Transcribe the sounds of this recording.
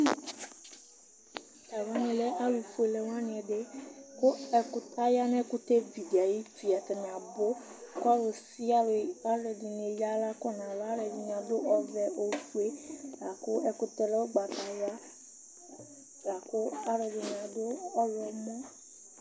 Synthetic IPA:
t̪a˨wa˦nĩ˨le˦a˦wi˨fu˦e˨le˨wã˦nĩ˨ɛ˨ɖe˦ko˦ɛ˨ku˦t̪a˦ja˦nɛ̃˦ku˦t̪e˦vi˨di˨a˨ji˦fi˨a˨t̪e˨nɛ̃˨ã˨bo˦ | ka˦we˨si˦a˦la˦ɖe˨di˨ne˨ja˦la˦kɔ˦nã˨la˦ɾe˨di˨ñ˨ã˨d̪o˦ʔɔ˨vɛ˦o˨˦fu˦e˦la˨ko˦ɛ˦ku˦t̪e˦le˦wo˦ɡ͡ba˨t̪a˨ja˦ | la˨ko˦a˦ɾe˨di˨ñ˨a˨do˦ɔ˦wɔ˨mɔ̃˦

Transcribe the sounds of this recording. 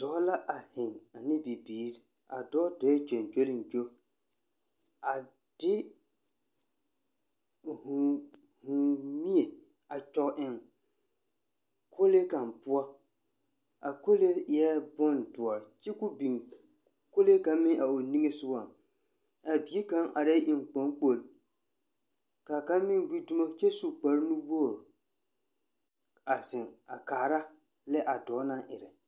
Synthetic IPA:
d̥ɔ˦la˦ʔa˨hɪ˨ŋa˨nɪ˦bi˨biː˦˨ɾi˦ | a˨dɔ˦dɔ˨˦ɛ˦d͡ʒo˨nd͡ʒo˦lɪ˨nd͡ʒo˦ | a˨ | d̥ɪ˦ | hʊ˨ | hʊ˨mi˦e˨ | a˨t͡ʃɔ˦ʔɪ˦ŋ | kʰo˦le˦ka˨mpʊ˦a˦ | a˨ko˦le˦ɛ˦bɔ˦ndʊ˨ɔ˨ɾt͡ʃɛ˦kʊ˦bi˨ŋ | ko˦le˦ka˨mɪ˦ŋa˨o˨ni˦ŋe˦sʊ˦wa˦˨ | a˨bi˨˦e˦ka˦ŋa˨ɾa˦ʔɪ˨ŋk͡po˨˦ŋk͡po˨l | ka˨ka˦mɪ˦nɡ͡bi˦dʊ˦mo˦t͡ʃɛ˦su˦k͡pa˨ɾnu˦bo˦˨ | a˨zɪ˨ŋa˨kaː˨ɾa˦ | lɛ˦ʔa˨dɔː˨˦nã˦ʔɪ˨ɾɛ˨

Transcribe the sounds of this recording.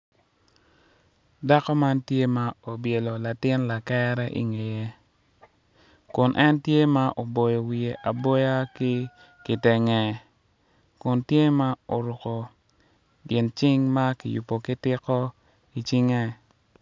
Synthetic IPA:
da˦kɔ˦ma˦ntje˦ma˦o˨bje˨lo˨la˨tɪ˦nla˨kɛ˦ɾɛ˦ʔḭ˦ŋe˨je˦ | kʊ˨nʔɛ˦ntje˦ma˦ʔo˨bo˨jɔ˨wi˨e˨ʔa˨bɔ˦ja˦ki˦ | kɪ˨te˨ŋɛ˨ | kʊ˨ntje˦ma˦o˨ɾʊ˨ko˨ | ɡɪ˨nt͡ʃɪ˦ŋma˦kɪ˨jṵ˨pːo˨kɪ˦tɪ˦kɔ˦ | i˨t͡ʃi˦ŋɛ˦

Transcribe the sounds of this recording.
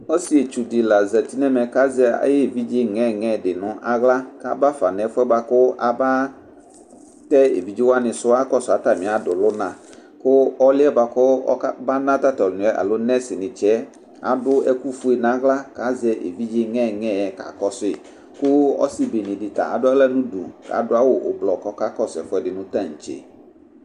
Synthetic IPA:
ɔ˦sɪ˦e˨t͡ʃu˨dɪ˨la˨zɛ˨ti˦nɛ˦mɛ˨ka˦zɛ˧a̰˨jɛ˦˨vi˦d͡ʒɪ˦ŋɛ˦˨ŋɛ̃˨dɪ˨nʊ˨ʔa˨ɣla˦ka˦ba˦fa˨nɛ˨˦fʊ˦ɛ˦ba˧kʊ˦a˨ba˦ | tɛ˦ḛ˨vi˨d͡ʒi˦wa˦nɪ̃˨sʊ˦a˦kɔ˦sʊ˨a˨˦ta˨mɪ̃˨a˨dʊ˨lʊ˦nã˨kʊ˦ɔ˦lɪ˦ɛ˦ba˧kʊ˦ba˦nã˦t̪a˦tɔ˨lnʊ̃˨ɛ˦ʔa̰˨lo˦nɛ˦sɪ˨nɪ̃˨t͡ʃɛ˦ | a̰˨dʊ˦ɛ˦ku˦fu˦e˨nã˨˦ɣla˦ka˨˦zɛ˦ʔḛ˨vi˦d͡ʒɪ˦ŋɛ̃˦˨ŋɛ̃˦˨ɛ˨ka̰˨kɔ˦sʊ˦ɪ˨ | kʊ˦ɔ̰˦sɪ˦be˨nɪ̃˨dɪ˨ta̰˨ʔa̰˨dʊ˦a˦lɛ˦nũ˦dṵ˨ka̰˨˦dʊ˦a˦wʊ˦˨ʔʊ̰˨blɔ˨kɔ˦ka˦kɔ˦sɛ̰˨fʊ˦ɛ˨dɪ˨nʊ̃˨ta˦˨ŋ̩˨t͡ʃḛ˨

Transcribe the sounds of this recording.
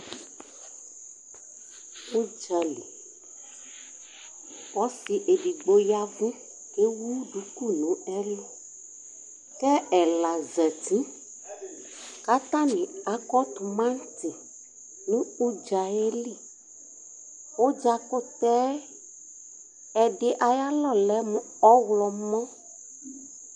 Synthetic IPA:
u˦d͡ʒɛ˨li˨ | wɔ˨˦si˨ʔe˨bi˨ɡ͡bo˨ja˦vũ˦ | ke˦wu˦ɖu˨˦ku˦nũ˨˦ɛ˦lo˦ | kɛ˦ɛ˨la˨zɛ˨t̪i˦ | ka˦t̪ã˦nĩ˨a˨kɔ˦t̪u˨mã˦n˦t̪i˨ | nũ˦u˦d͡ʒa˨e˦li˦˨ | wo˦d͡ʒa˦ko˦t̪ɛ˦ | ɛ˨ɖɪ˦ʔa˨ja˦lɔ˦˨lɛ˦mũ˨ | ɔ˦wlɔ˨mɔ̃˦

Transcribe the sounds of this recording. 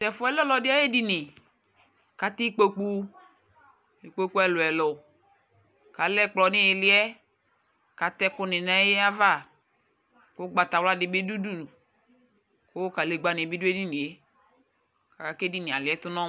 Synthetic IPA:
tɛ˨fʊ˨˦ɛ˦lɔ˦lɔ˨dɪ˦a˦je˦di˦nɪ˨ | ka˨ti˦k͡po˨k͡pu˦ | i˨k͡po˦k͡pu˦ɛ˨lʊ˨ɛ˨lʊ˨ | ka˨lɛ˦k͡plɔ˨nɪ˦e˨lɪ˦ɛ˦ | ka˨tɛ˦kʊ˦nɪ˨na˨˦jɛ˦a˦va˦˨ | kʊ˦ɡ͡ba˨ta˨wla˦dɪ˨bɪ˦du˦du˦nu˨ | ko˦ka˨le˨ɡ͡ba˨nɪ˨e˨bi˦du˦e˦di˦nĩ˨e˦ | ka˨ka˨ke˦di˦ni˨a̰˨lɪ˨ɛ˦tʊ˦nɔ̃˦

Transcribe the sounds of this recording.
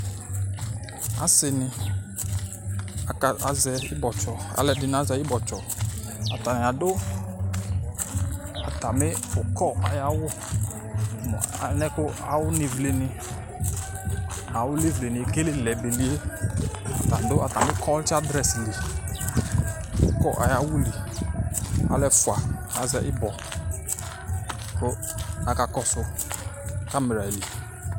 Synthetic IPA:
a̰˨˦sɪ˨nɪ˧ | a˨ka˨a˧zɛ˧ɪ˦bɔ˨t͡ʃɔ˨a̰˨˦lɛ˨˧dɪ˧n˨˦a˦zɛ˨˦ɪ˦bɔ˨t͡ʃɔ˨ | a˨ta˨nɪ˨a˨dʊ˦ | a˨ta˨mɪ˦ʊ˨kɔ˦˨a˨ja˧˦wʊ˦ | m̰˨a˨˦nɛ˦kʊ˦a̰˨wʊ˦ni˨vle˨nɪ˧ | a˨wʊ˦le˦vle˨ni˨ke˦le˦˨lɛ˨be˨li˦e˦˨ | ta˨dʊ˦a˨ta˨mɪ˦kʰɔ˦lta˦dɾɛ˨sli˨ | ṵ˨kɔ˦ʔa̰˨ja˨˦wu˦li˨ | a̰˨lɛ˦fu˨a˨a˨zɛ˨ʔɪ˦bɔ˨ | kʊ˦ | a˨ka˨kɔ˦sʊ˧ | ka˦me˨ɾa˨li˨

